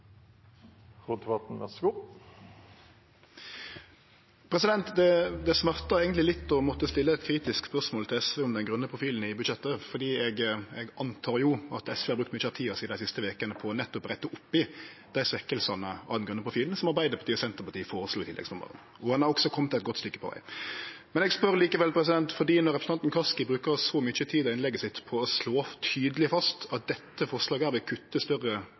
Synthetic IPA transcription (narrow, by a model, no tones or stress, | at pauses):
ɾud̪ɛbɑt̪n̩ʋɛsɡuː | pʰɾɛsɪd̪ɛnt̪d̪ɛd̪ɛsmɑʁt̪ɑeːɡənlɪlɪt̪ːɔmɔt̪ːəst̪ɪlːəɛt̪kʰɾiːt̪ɪskspœʁsmoːlt̪ʰɪlɛsʋeːɔmd̪ɛnɡʁʉnːəpʰʁʊfiːln̩ɪbʉd̪ʃɛt̪ːəfɔd̪iːɛɡɛɡɑnt̪ʰɑːʁjʊɑt̪ɛsʋeːhɑɾbɾʉkt̪myçəɑt̪ʰiːɑsiːd̪æɪsɪst̪əʋeːkənəpʰɔnɛt̪ːʊpʁæɪt̪ːəʔʊpːɪd̪̥æɪsʋɛkːəlsɑnəɑ̰ʋɛnɡɾʉnːəpɾʊfiːlnsɔmɑɾbæɪd̪əpʰɑt̪iːɔsɛnt̪əɾpɑt̪iːəfoːɾəsluːɪt̪ɪlɛ̰ɡsnɔmə̰ɾə̰n | ɔhɑnæɾɔksɔkʰɔmt̪ʰɪlɛt̪ɡɔt̪st̪ʏkːə̥pʰɔʋæ̰ɪmɛnɛɡspœɾliːkəʋɛlpʰɾɛsɪd̪ɛnt̪fɔd̪iːnɔɾɛpɾsn̩ɑnnkʰɑskɪbɾʉːkəɾsɔmʏt͡ʃət̪ʰiːd̪ɔɪnlɛɡəsɪt̪pʰɔːsloːt̪ʰyːd̪əlɪfɑst̪ɑt̪̚d̪ɛt̪ːəfɔʁʂlɑːɡəæɾʋɪlkʰʉt̪ːəst̪œrə